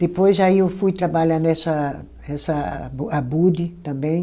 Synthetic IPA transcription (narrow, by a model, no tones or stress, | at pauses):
d̪̥epojzaiewfujt̪ɾabaʎanɛsɐ | ɛsɐabud̪it̪ɐ̃mbẽj̃